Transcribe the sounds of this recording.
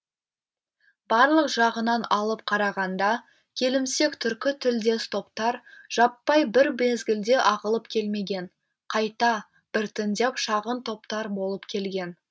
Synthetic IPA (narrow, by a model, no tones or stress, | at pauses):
bɑɾlˠəqʒ̥ɑʁənɑnɑlˠəp̚qʰɑɾɑʁɑnd̪ɑ | kʲʰe̞lɪmse̞kt̪ʰʏɾkʲɪt̪ʰʏld̪e̞st̪o̞pt̪ɑɾʒ̥ɑpːɑjbɪɾbezɡʲɪld̪e̞ʔɑʁəlˠəpkʲʰe̞lme̞ɡʲe̞ɴ | qʰɑjt̪ɑ | b̥ɪɾt̪ʰɪnd̪epʃɑʁənt̪ʰo̞pt̪ɑɾbo̞lˠəpkʲʰe̞lɡʲe̞n